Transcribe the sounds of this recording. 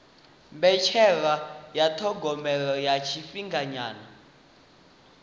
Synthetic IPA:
mbɛt͡ʃʰɛɺajatʰɔɡɔmɛɺɔjat͡ʃʰifiŋɡaɲaːna

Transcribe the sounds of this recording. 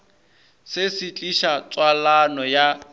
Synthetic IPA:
sɪsɪt͡ɬʼiʃat͡sʼwalanɔja

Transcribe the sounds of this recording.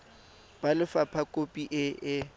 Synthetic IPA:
b̥alɪfapʰakʼopʼiʔɪʔɪ

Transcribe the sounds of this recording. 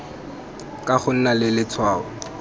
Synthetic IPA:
kʼaχʊn̩nalɪlɪt͡sʰwaːʊ

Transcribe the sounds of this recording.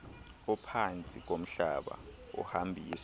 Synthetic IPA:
ɔpʰant͡sʼik̬om̩ɬa̰ɓa̰ṵhambʱiːs

